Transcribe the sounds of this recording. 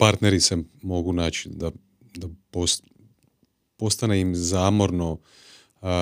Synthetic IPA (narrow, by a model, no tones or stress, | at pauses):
paɾt̪neɾisemo̞ɡunaːt͡ɕid̪a | d̪apos | po̞st̪ane̞imzaːmo̞ɾno̞